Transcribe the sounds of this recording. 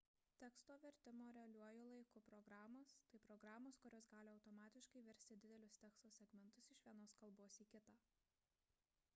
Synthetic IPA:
t̪ʲɛkst̪oːʋʲɛɾʲt̪ʲɪmoːɾʲɛɐlʲuɔjoːlˠɐɪkʊpɾɔɡɾɑːmoːst̪ɐɪpɾɔɡɾɑːmoːskʊɾʲoːsɡɑːlʲɪɐʊt̪ɔmɑːt̪ʲɪʃkɐɪʋʲɛɾʲsʲt̪ʲɪd̪ʲɪd̪ʲɛlʲʊsʲt̪ʲɛːkst̪oːsʲɛɡmʲɛnt̪ʊsɪʃʋʲiɛnoːskɐlˠboːsiːkʲɪt̪ɑː

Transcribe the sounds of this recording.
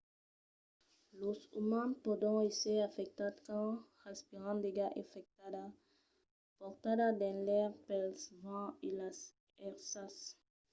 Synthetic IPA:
losumãnpod̪õeseɾafek̚t̪ad̪kõ | aspiʁãd̪eɡaʔefek̚t̪ad̪a | poɾt̪ad̪ad̪ɛ̃lɛʁpelsvãilas | ɛʁsas

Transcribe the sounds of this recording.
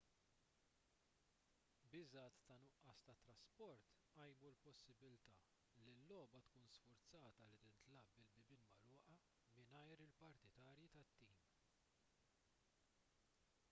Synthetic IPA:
bɪzɐːt̪ːɐnʊʔɐst̪ɐt̪ːɾɐspɔɾt̪ | ɐjmulpɔsːɪbɪlt̪ɐ | lilːɔːbɐt̪kuːnsfʊɾt͡sɐːt̪ɐlit̪ɪnt̪lɐbɪlbɪbɪlmɐlʊːʔɐ | mɪnɐjɾɪlpɐɾt̪ɪt̪ɐːɾjit̪ɐt̪ːiːm

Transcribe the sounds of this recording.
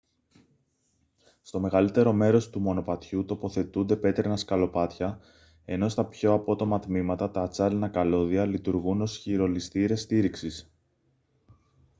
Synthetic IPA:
st̪o̞me̞ɣɐlit̪e̞ɾo̞me̞ɾo̞st̪umo̞no̞pɐt̪çut̪o̞po̞θe̞t̪und̪e̞pe̞t̪ɾenɐskɐlo̞pɐt̪çɐ | e̞no̞st̪ɐpço̞ɐpo̞t̪o̞mɐt̪mimɐt̪ɐt̪ɐːt͡sɐlinɐkɐlo̞ðiɐlit̪uɾɣuno̞sçiɾo̞list̪iɾe̞st̪iɾiksis

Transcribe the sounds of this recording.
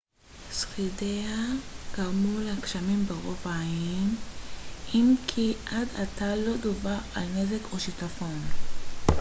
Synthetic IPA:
sχideaɡ̥aʁmuleakʃamimbeʁo̞vaːim | imkʰiʔadatalo̞dovaʁalne̞zekʰoʃitafo̞n

